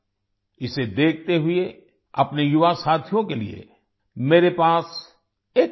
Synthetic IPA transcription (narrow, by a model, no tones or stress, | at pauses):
ɪsed̪eːkʰt̪eɦʊe | ɐpnejʊʋasaːt̪ʰjõkelḭḛ | meːɾepaːs | eːk